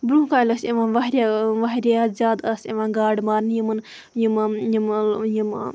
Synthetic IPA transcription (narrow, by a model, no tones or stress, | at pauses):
bɾũːkaːjlɐsiʋaːnʋɐɦɾʲaʋɐɦɾʲaazʲaːd̪ɐsiʋaːnɡaːɽmaːɾnjimɐn | jimjimjim